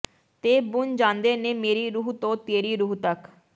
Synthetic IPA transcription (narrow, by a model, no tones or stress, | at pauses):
t̪eːbʊnd͡ʒãːnd̪eːneːmeːɾiːɾuːɦt̪õːt̪eːɾiːɾuːt̪ək